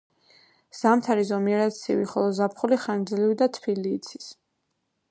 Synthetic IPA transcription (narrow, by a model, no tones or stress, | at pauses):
z̥amt̪ʰaɾizɔmiɛɾat̪sʰḭviχɔlˠɔzapʰχuliχand̪zlivid̪at̪ʰpiliːt̪sʰi̥s